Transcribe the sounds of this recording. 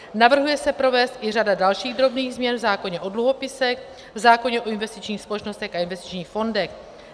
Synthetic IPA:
navr̩ɦujɛsɛpɾo̞vɛːst̪ʔɪr̝adadalʃiːɣd̪ɾo̞bniːɣzmɲɛnvzaːko̞ɲɛʔo̞dluɦo̞pɪsɛx | vzaːkoɲɛʔo̞ɪnvɛst̪ɪt͡ʃɲiːxspo̞lɛt͡ʃno̞st̪ɛxʔaɪnvɛst̪ɪ̥t͡ʃɲiːxfo̞ndɛx

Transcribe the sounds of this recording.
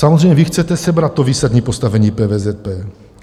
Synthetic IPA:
samozzrejɲɛvɪxt͡sɛt̪ɛsɛbɾat̪̚ːoviːsad̪ɲiːpo̞st̪avɛɲiːpɛːvɛzɛt̪̚pɛː

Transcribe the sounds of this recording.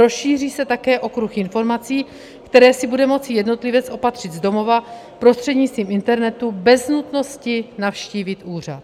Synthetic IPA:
ɾo̞sʃiːr̝iːsɛt̪akɛːʔo̞kɾuxʔɪnfo̞ɾmat͡siː | kt̪ɛɾɛːsɪbudɛmo̞t͡sɪjɛdno̞t̪lɪvɛt͡sʔo̞pat̪r̝̥ɪd̪zdo̞mo̞va | pɾo̞st̪r̝̥ɛdɲɪt͡st̪viːmɪnt̪ɛɾnɛt̪ubɛznut̪no̞scɪnafʃciːvɪt̪ʔuːr̝at̪

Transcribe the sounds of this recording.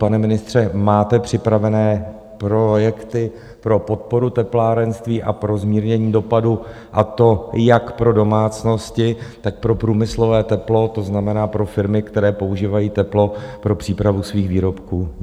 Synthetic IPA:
panɛmɪnɪst̪r̝̥ɛmaːt̪ɛpr̝̥ɪpɾavɛnɛː | pɾo̞jɛkt̪ɪ | pɾo̞po̞t̪̚po̞ɾut̪ɛplaːɾɛnst̪viːʔapɾo̞zmiːɾɲɛɲiːdo̞padu | ʔat̪o̞jakpɾo̞do̞maːt͡sno̞scɪt̪ak̚pɾo̞pɾuːmɪslo̞vɛːt̪ɛplo̞t̪o̞znamɛnaːpɾo̞fɪɾmɪkt̪ɛɾɛːpo̞uʒiːvajiːt̪ɛplo̞pɾo̞pr̥iːpɾavusviːxviːɾo̞pkuː

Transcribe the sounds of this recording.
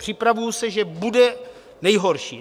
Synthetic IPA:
pr̥ɪpɾavujusɛʒɛbudɛ | nɛjɦo̞ɾʃḭː

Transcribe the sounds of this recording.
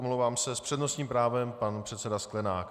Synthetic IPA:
omlowvaːmsɛspr̝̥ɛdnosɲiːmpɾaːvɛmpanpr̥ɛt̪sɛdasklɛnaːk

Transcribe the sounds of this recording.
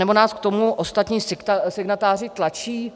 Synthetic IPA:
nɛbo̞naːskt̪o̞muʔost̪at̪ɲiːsɪkt̪asɪɡnat̪aːrɪt̪lat͡ʃiː

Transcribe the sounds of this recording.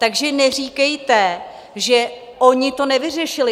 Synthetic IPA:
t̪aɡʒɛnɛr̝iːkɛjt̪ɛ | ʒɛ | ʔo̞ɲɪt̪o̞nɛvɪr̝ɛʃɪlɪ

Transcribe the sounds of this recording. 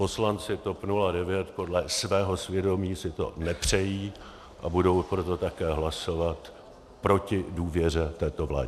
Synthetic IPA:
po̞slant͡sɪt̪o̞pnuladɛvjɛt̪po̞dlɛsvɛːɦo̞svjɛdo̞miːsɪt̪o̞̰nɛpr̝̥ɛjiː | ʔabudo̞wpɾo̞t̪o̞t̪akɛːɦlaso̞vat̪ | pɾo̞cɪduːvjɛr̝ɛt̪ɛːt̪o̞vla̰ːɟɪ

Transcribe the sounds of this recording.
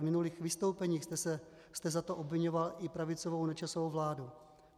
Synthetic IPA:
mɪnuliːxvɪst̪o̞wpɛɲiːxt̪ɛsɛ | st̪ɛzat̪oʔo̞bvɪɲovalʔɪpɾavɪt͡sovownɛt͡ʃasovowvlaːdu

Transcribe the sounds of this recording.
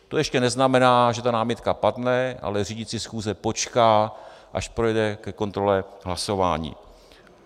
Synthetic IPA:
t̪o̞jɛʃcɛnɛznamɛnaːʒɛt̪anaːmɪt̪kapadnɛʔa̰lɛriːɟɪt͡sɪsxuːzɛpo̞t͡ʃkaːʔa̰ʃpɾojɛdɛkɛko̞nt̪ɾo̞lɛɦlaso̞va̰ːɲḭː

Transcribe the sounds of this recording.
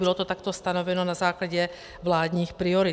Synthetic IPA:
ilɔt̪ɔt̪akt̪ɔst̪anɔʋɛnɔnazaːklaɟɛ | ʋlaːd̪ɲiːxpɾiɔɾi

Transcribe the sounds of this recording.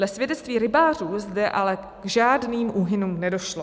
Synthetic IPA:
lɛsvjɛdɛtt͡st̪viːɾɪbaːruːzdɛʔalɛ | ɡʒaːdniːmʔuɦɪnuːmnɛdo̞ʃlo

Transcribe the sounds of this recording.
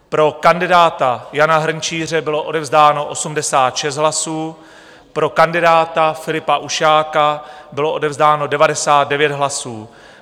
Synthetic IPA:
pɾo̞kandɪdaːt̪ajanaɦr̩ɲt͡ʃiːr̝ɛbɪlo̞ʔo̞dɛvzdaːno̞ʔo̞sumdɛsaːt̪ʃɛs̬t̪ɦlasuː | pɾo̞kandɪdaːt̪afɪlɪpaʔuʃaːkabɪlo̞ʔo̞dɛvzdaːno̞dɛvadɛsaːt̪̚dɛvjɛt̪ɦlasuː

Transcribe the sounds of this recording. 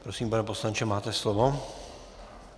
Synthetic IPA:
pɾosiːmpanɛposlant͡ʃɛmaːt̪ɛslovo

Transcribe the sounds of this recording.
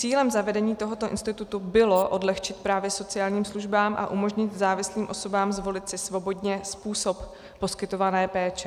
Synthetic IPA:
t͡siːlɛmzavɛdɛɲiːt̪o̞ɦo̞t̪o̞ʔɪ̰nst̪ɪt̪ut̪ubɪloʔo̞dlɛxt͡ʃɪt̪̚pɾaːvjɛso̞t͡sɪjaːlɲiːmsluʒbaːmʔa̰ʔumo̞ʒɲɪt̪zaːvɪsliːmʔoso̞baːmzvo̞lɪt̪sɪsvo̞bo̞dɲɛspuːso̞pː | o̞skɪt̪o̞vanɛːpɛːt͡ʃɛ

